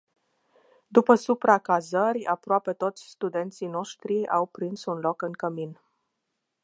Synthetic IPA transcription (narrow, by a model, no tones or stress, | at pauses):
d̪upəsupɾakazərʲa̰pɾoape̞t̪o̞t̪sʲst̪ud̪e̞nt̪sijno̞ʃt̪ɾia̰wpɾinsunlo̞kɨŋkəmin